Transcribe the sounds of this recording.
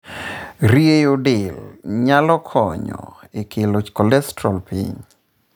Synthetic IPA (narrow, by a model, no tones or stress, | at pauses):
ɾiejodɪlɲalɔkʰɔɲɔ̰ | ekʰelokɔlɛstɾalpḭɲ